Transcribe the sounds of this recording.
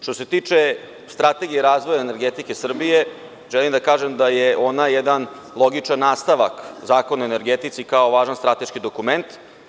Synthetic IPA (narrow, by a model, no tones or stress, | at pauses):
ʃt̪o̞se̞t̪iːt͡ʂe̞ | st̪ɾat̪e̞ɡijeɾaːzʋo̞jaene̞ɾɡet̪ike̞sr̩bije̞ | ʒɛlimd̪akaːʒemd̪aje̞ʔo̞najɛd̪an | lˠo̞ɡit͡ʂanːaːst̪aʋakzaːkonoene̞ɾɡet̪it̪sikao̞ʋaːʒanst̪ɾat̪e̞ʃkid̪o̞kument̪